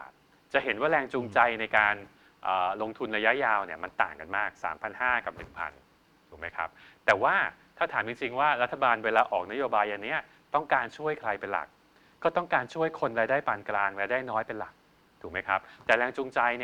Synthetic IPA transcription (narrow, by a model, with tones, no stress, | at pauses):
t͡ɕa˨˩ɦe˩˦nwaː˥˩ɾɛː˧ŋt͡ɕu˧ŋt͡ɕa˧jna˧jkaː˧n | ʔəː˨˩lo˧ŋt̪ʰu˧nɾa˧ja˦˥ʔjaː˧wni˥˩ɐma˧nt̪a̰ː˨˩ŋka˧nmaː˥˩k̚sa̰ː˩˦mpʰa˧nhaː˥˩ka˨˩p̚nɯ˨˩ŋpʰa̰˧n | dduː˨˩ma˦˥jkʰɾa̰˦˥p̚t̪ɛː˨˩waː˥˩t̪ʰaː˥˩t̪ʰaː˩˦mt͡ɕi˧ŋt͡ɕi˧ŋwaː˥˩ɾa˦˥t̪ʰːa˧baː˧nweː˧laː˧ʔɔː˨˩k̚na˦˥joː˧baː˧jʔa˧nːi˦˥ɐ | t̪ɔ˥˩ŋkaː˧nt͡ɕʰu˥˩əjkʰɾa˧jpe˧nla̰˨˩k̚ː | ɔː˥˩t̪ɔ˥˩ŋkaː˧nt͡ɕʰu˥˩əjkʰo˧nɾaː˧jdaː˥˩jpaː˧nklaː˧ŋɾaː˧jdaː˥˩jnɔː˦˥jpe˧nla̰˨˩k̚ | d̥uː˨˩k̚ma˦˥jkʰa˦˥p̚t̪ɛː˨˩ɾɛː˧ŋt͡ɕuː˧ŋt͡ɕa˧j